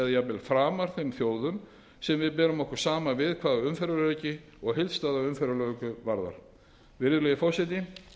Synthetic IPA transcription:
ɛðjapɛlfɾaːmaɾ̥θemθjoːwðʏm | sɛmvɪðp̬ɛːɾʏmɔhkʏ̥saːmavɪðkʰvaːðʏmfɛɾʏlœːɥcɪ | ɔɣɦɪlst̪aːðaʏmfɛɾʏlœkʏvaɾða̰ɾ̥ | vɪɾðʏlɛːjɪfɔwsɛt̪ɪ

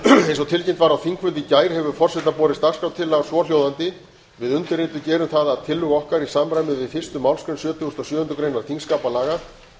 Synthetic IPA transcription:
ejnsɔt̪ʰɪlcejmt̪vaɾawθiŋkʰvʏnt̪ɪcaːjɾhɛvʏɾfɔr̥sɛt̪apɔːɾɪst̪akskawt̪ʰɪlːaɣsvɔːljowðant̪ɪ | vɪðʏnt̪ʏɾent̪ʏcɛːɾʏmθaðaːðt̪ʰɪlːʏɣɔhkaɾisaːmɾajmɪðvɪðfɪr̥st̪ʏmawlskɾʏnsjœːt̪ʰʏɣʏst̪ɔsjœːhʏnt̪ʏkɾejnaɾ̥t̪iŋskaːpalaːɣa

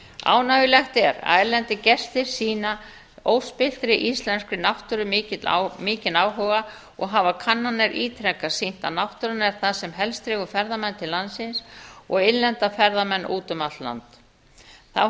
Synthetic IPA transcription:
a̰ːwnavɪlɛxt̪ɛɾa̰ðɛɾlɛnt̪ɪcɛst̪ɪɾ̥siːna | oːwspɪl̥t̪ɾɪʔist̪lɛnskɾʏnawht̪ʏɾʏmɪːcɪt̪l̰mɪːcɪnaːwɦɔɣa | ɔɣɦavakʰanːanːɛɾʔiːt̪ʰɾɛkːasin̥t̪anawht̪ʏɾʏnɛɾ̥θaðsɛmɦɛlst̪ɾɪːɣʏfɛɾðamɛnːt̪ʰɪlːansɪnsɔɣɪnlɛnt̪afɛɾðamɛnːʔuːt̪ʏmat̪la̰nt̪ | θa̰w

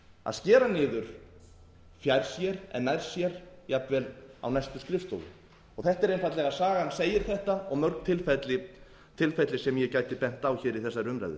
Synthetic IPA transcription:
a̰ðscɛːɾanɪːðʏɾ̥ | fjajɾ̥sjɛɾɛ̰nːajɾ̥sjɛɾjapvɛla̰wnajst̪ʏskɾɪft̪ɔ̰wðʏ̰ | ɔɣθɛht̪aɛɾejnfajt̪lɛɣasaːɣanseːjɪɾ̥θɛht̪aɔɣmœɾkn̥t̪ʰɪlfɛt̪lɪ | t̪ʰɪlfɛt̪lɪsɛmjɛcaːjt̪ɪpɛn̥t̪awçɪːɾiθɛsːaɾʏmɾa̰jðʏ̰

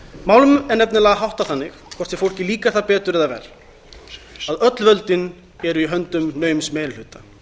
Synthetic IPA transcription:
maːwlʏmɛɾnɛpnɪlaːɣaɦawht̪aθanːɪxkʰɔ̥t̪sɛfowl̥cɪliːkḁθapɛːt̪ʏɾɛðavɛ̰ɾ̥ | aðœt̪lvœlt̪ɪn | ɛɾʏiɦœnt̪ʏmnœːɥmsmeːjnl̥ʏːt̪a

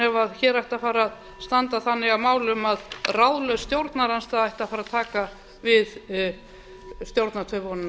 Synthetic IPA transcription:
ɛvaðçɛːɾajht̪afaːɾað | st̪ant̪aθanːɪɣavmaːwlʏmaðrawðlœst̪jowɾt̪naɾanst̪aðajht̪afaɾaðt̪ʰaːka | vɪð | st̪jowɾt̪nat̪ʰœpɔnn

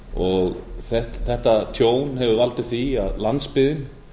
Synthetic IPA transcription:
ɔɣθɛt̪θɛht̪at̪ʰjoːwnɦɛvʏvalt̪ɪθiaðlant̪spɪðɪn

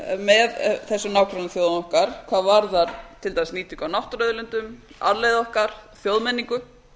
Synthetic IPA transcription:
mɛðθɛsːʏnaːwkɾanaθjoːwðnɔhkaɾ̥kʰv̥aːðvaɾðaɾt̪ʰɪlt̪ajsniːt̪ʰikawnawht̪ɾœðʏlʏnt̪ʏm | a̰ðlejðɔhkaɾ̥θjowðmɛnːiŋkʏ

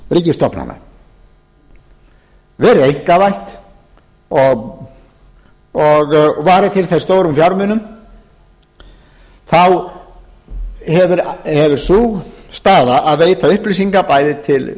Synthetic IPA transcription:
riːcɪst̪ɔpnha̰wma̰ | vɛɾʏðejŋ̥kavajht̪ | ɔɣ | ɔɣvaːɾɪt̪ʰɪlθest̪oːwɾʏmfjawɾmɪnːʏm | θaw | hɛvʏɾhɛvʏɾ̥suɣst̪aːðaʔaðveːjt̪ʰaʏhplisiŋkapaːjðɪt̪ʰɪl

